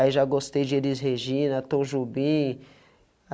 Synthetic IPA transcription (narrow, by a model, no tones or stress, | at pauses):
iʒaɡost̪ejd͡ʒɪelɪzɦeʒĩnɐt̪õʒubĩ